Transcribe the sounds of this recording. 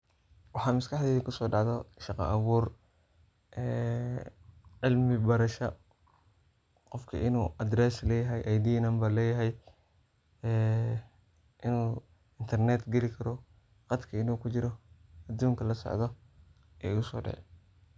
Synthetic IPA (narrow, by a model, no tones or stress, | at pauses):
wɑħɑːmɪskɑħd̪ɛːɪkʰʊsɔːɖɑʕðɔʃɑqɑ̰ʔɐβuːr | ʔɛː | ʕɪlmɪbɐɾɐʃɐ | qɔfkʰɐ̰ʔɪnuːʔɐd̪ɾɛslɛːjɐɦɛjʔɐjd̪iːnɐmbɐlɛːjɐɦɛj | ɛː | ʔɪnuː | ɪnt̪ʰɐrnɛt̪ɡɛlɪkʰɐɾɔ | qɑd̪kʰɐɪnuːkʰʊt͡ʃɪɾɔɐd̪uːŋkʰɐlɐsɔ̰ʕd̪ɔ | ɛ̰ːɪɣʊsɔ̰ːɖɑ̰ʕɛ̰